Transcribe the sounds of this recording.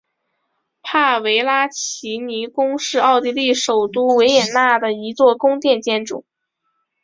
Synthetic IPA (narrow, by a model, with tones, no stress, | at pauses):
pʰa˥˩we˧˥ɪla˥t͡ɕʰi˧˥ni˧˥kʊ˥ŋʂɻ̩˥˧ɑ˥˧ʊt̪i˥˧li˥˩ʂo˨˩ʊt̪u˥we˧˥ɪjɛ˨˩nna˥˩d̪ə˩i˧˥t͡swɔ˥˩kʊ˥ŋt̪jɛ˥˧nt͡ɕjɛ˥nʈ͡ʂʊ̰˨˩˦